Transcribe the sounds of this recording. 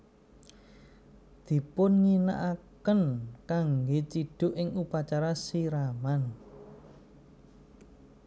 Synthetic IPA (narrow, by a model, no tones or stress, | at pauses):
d̪̥i̤pʊnŋina̰ʔakənkaŋɡet͡ʃiɖ̥ʊ̤ʔɪŋupat͡ʃaɾasiɾaman